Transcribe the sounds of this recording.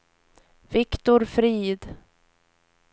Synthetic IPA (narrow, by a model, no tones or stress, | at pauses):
vɪkt̪ʊɾfɾiːd̪